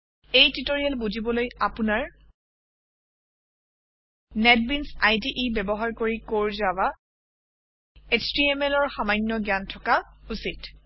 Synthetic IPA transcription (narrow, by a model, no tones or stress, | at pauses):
ejtitoɹialbuzibɔlojapunaɹ | nɛt̚binsajdiʔibɛbɔɦaɹkoɹikoɹzaba | estɹiemɛlɔɹxamajnːɔɡjantʰɔkausit